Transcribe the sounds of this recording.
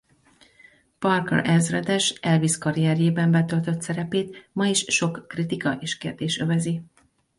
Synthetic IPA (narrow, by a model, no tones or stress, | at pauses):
pɒrkɛ̰rʔɛzrɛd̪ɛʃɛlviskɒɾiɛrjeːbɛmbɛt̪ø̞lt̪ø̞t̪sɛɾɛpeːt̪mɒiʃːo̞kːrit̪ikɒʔeːʃkeːrd̪eːʃøvɛzi